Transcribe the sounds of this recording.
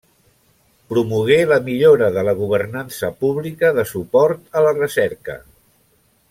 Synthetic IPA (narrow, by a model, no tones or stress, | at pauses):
pɾumuɣ̞eləmiʎoɾəðələɣ̞uβ̞ərnansəpuβlikəðəsupɔɾt̪ələrəsɛɾkə̰